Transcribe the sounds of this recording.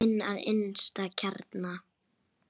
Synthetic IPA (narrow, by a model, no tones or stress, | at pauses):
ɪnːa̰ðɪ̰nst̪acʰaɾt̪na